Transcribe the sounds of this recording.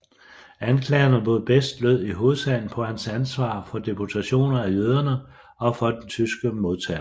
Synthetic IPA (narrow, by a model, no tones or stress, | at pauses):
ænkʰlɛ̰ːɐnəb̥oð̩ˠb̥esd̥løð̰ˠiɦo̝ːð̩ˠsæn̩pʰɒ̽hænsænsʋɑ̰̈ːfɒ̽d̥epʰo̝t͡sʰæɕo̝̰ːnɐæjøð̞ˠɐnə | ɒ̽fɒ̽d̥ent͡sʰysɡ̥əmo̝ð̞ˠt͡sʰɛ̰ːɐ